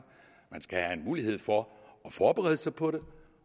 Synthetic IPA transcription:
mænsɡ̥æhæe̝nmuːlihe̝ð̞̰ˠfɒɒfɒːb̥eʁɛ̰ːð̞ˠəsɑ̈ɪpʰɒ̽ɾe̝

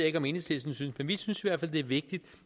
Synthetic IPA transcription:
e̝ɡ̥ɒ̽me̝nəslesn̩synsmenʋisynsiʋæɐfæl̰d̥e̝æɐʋe̝ɡ̥̚d̥id̥

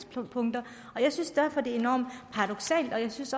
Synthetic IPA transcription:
ppʰɔ̽ŋd̥ɐ | ɒ̽jɑ̈ɪsynsd̥æɐ̰fɒ̽d̥e̝ɐe̝nɒ̰ːmd̥pʰɑ̈ʁɑd̥ɔ̽ɡ̥sɛ̰ːld̥ɒ̽jɑ̈ɪsynsɒ

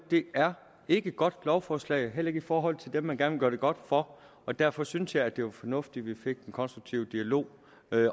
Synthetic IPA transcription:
d̥e̝æɐ | e̝ɡ̥əɡ̥ɒ̽d̥lɒʊfɒːslɛ̰ɪɦel̰e̝ɡəifɒːɦɒ̽l̰ˠt͡sʰe̝ld̥emːænɡ̥æɐnʋeɡ̥ɶɐd̥e̝ɡ̥ɒ̽d̥fɒ̽ | ɒ̽d̥æɐ̰fɒ̽synsjɑ̈ɪæd̥e̝ʋɑfɒ̽nɔ̽fd̥iʋife̝ɡ̥̚d̥enkʰɒ̽nsd̥ʁuɡ̥̚t͡sʰiʊd̥iælo̝̰ː

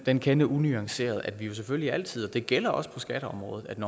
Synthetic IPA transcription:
d̥enkʰenəʔunyɑ̈ŋse̝̰ːɐð̞̩ˠæd̥ʋijo̝s̬efølliæl̰t͡sʰið̞̰ˠɒ̽d̥e̝ɡ̥el̰ɐʔɒ̽spʰɒ̽sɡ̥æɾ̥əɒ̽mʁɔ̽ːð̩ˠæd̥nɒ

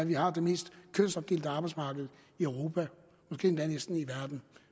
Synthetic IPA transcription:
æʋihɑ̈d̥eme̝̰ːsd̥kʰønsɒɡ̚d̥e̝ːld̥əɑ̈bɑ̈ɪsmɑ̈ːɡ̥əð̞̩ˠ | iœʊʁo̝ːpʰæ | mɒsɡ̥e̝̰ːend̥ænesd̥n̩iʋæɐd̥n̩

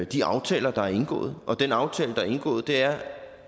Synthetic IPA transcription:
d̥iɑ̈ʊt͡sʰɛ̰ːlɐd̥ɑ̈æɐe̝nɡ̥ɔ̰̽ːð̩ˠʔɒ̽d̥enɑ̈ʊt͡sʰɛ̰ːləd̥ɑ̈æɐe̝nɡ̥ɔ̰ːð̞̩ˠd̥e̝æɐ

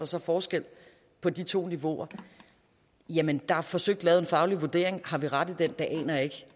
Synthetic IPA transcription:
d̥ɑ̈sɒ̽fɒːsɡ̥el̰ | pʰɒ̽d̥it͡sʰo̝̰ːniʋo̝̰ɐ | jæmənd̥ɑ̈fɒ̽søɡ̥̚d̥lɛːʊenfɑ̈ʊliʋuɐd̥e̝̰ɐ̰eŋhɑ̈ʋiʁɑd̥ðˠd̥end̥ɑ̈ʔɛ̰ːnɐe̝ɡ̥

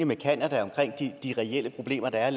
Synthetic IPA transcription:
əmekʰænæd̥æɒ̽mkʰʁeŋ̰d̥id̥iʁɛel̰əpʰʁo̝b̥le̝̰ːmɐd̥ɑ̈æɐl

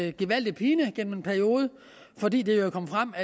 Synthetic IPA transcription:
ɡ̥iʋæl̰d̥ipʰiːnəɡ̥en̰menpʰæɐio̝ːð̞ˠə | fɒ̽dḭːd̥ejokʰɒ̽mfʁɑm̰æ

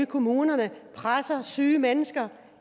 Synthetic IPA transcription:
kʰo̝muːnɐnəpʰʁasɐsyːmenəsɡ̥ɐ

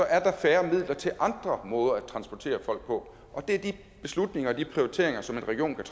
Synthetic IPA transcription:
sɒ̽ʔæɐd̥ɑ̈fæːɐmið̰ˠlɐt͡sʰe̝lʔɑ̈nd̥ʁɐmɔ̽ːð̞ˠɐæt͡sʰʁɑ̈nsb̥ɒt͡sʰe̝̰ːɐfɒ̽l̰ɡ̥̚pʰɒ̽ | ʔɒ̽d̥e̝æɐd̥i | b̥e̝slud̥ne̝ŋɐɒd̥ipʰʁio̝ʁit͡sʰe̝̰ɐ̰eŋɐsɒ̽me̝nʁɛɡ̥io̝̰ːnkʰæt͡sʰ

